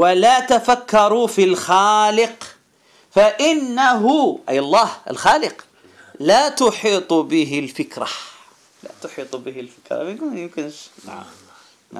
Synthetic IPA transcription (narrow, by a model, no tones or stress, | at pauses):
walaːt̪afakːɑɾˤufilxaːlɪq | faʔɪnːaɦʊʔa̰jɑlˤːɑːhɪ̰lxaːlɪq | lat̪ʊħiːt̪ˤbɪɦɪlfɪkɾa | la̰t̪ʊħiːt̪ˤbɪhɪlfɪkɾˤɑ̰mɪnkʊmjʊmkɪnʃna̰